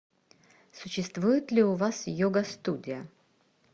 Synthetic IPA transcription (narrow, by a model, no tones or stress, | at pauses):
sʊɕːɪst̪vujɪt̪lʲiʊvasjoɡəst̪udʲɪjə